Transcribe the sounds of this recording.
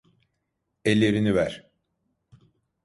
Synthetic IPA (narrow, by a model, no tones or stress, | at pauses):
elʲːeɾinivæɾ̥